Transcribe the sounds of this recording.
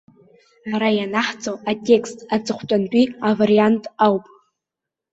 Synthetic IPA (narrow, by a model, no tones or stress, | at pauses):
aɾajanaħt͡sʼoatʲʼe̞kʰstʰʼat͡sʼɨχʷt͡pʷʼantʷʼiavariantʼawpʼ